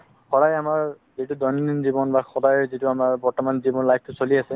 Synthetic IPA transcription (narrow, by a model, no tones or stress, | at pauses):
xɔɾajamaɹ | zitudɔnninzibɔnbaxɔdajzituamaɹbɔɹtɔmanzibɔnlajp̚ʰtʊsoliasɛ